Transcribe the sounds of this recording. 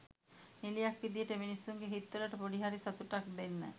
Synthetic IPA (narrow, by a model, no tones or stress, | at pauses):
nilijakːid̪ijeʈeminisːuŋɡeɦit̪ːolaʈəpoɖiɦaɾisat̪uʈak̚d̪enːɛ̰